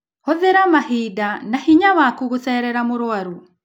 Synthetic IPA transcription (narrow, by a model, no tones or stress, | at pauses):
hɔðeɾamahidanahiɲawakuɣoθɛːɾɛɾamoɾoaɾu